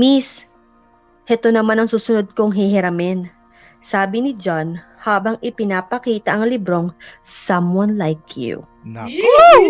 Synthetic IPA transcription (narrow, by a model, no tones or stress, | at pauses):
mis | ʔɛt̪o̞nɐmanɐŋsuːsʊnod̪̚koŋɦɛɦɛɾɐmɛn | saːbɪnɪd͡ʒan | haːbɐŋʔɪpɪnaːpɐkiːt̪ɐʔɐŋlibɾo̞ŋsamwɐnlajkjṵ